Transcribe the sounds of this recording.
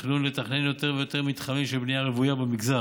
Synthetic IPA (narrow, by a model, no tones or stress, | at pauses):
χnunlet̪aχne̞njo̞t̪e̞ʁvejot̪eʁmit̪χamimʃebnijaʁevujabemiɡza